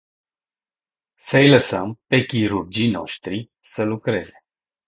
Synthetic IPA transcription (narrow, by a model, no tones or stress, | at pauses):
səjləsəmpe̞kʲiɾurd͡ʒino̞̰ʃt̪ɾi | səlukɾe̞̰ze̞̥